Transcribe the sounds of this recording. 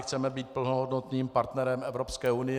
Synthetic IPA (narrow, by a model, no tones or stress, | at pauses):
xt͡sɛmɛbiːt̪̚pl̩noɦo̞dno̞t̪niːmpaɾt̪nɛɾɛmʔɛvɾopskɛːunɪ